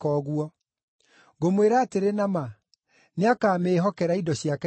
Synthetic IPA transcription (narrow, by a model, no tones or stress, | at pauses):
kɔːɣwɔ | ɣomweɾaːteɾenama | neakaːmeːɦɔkɛɾaidɔɕiakɛ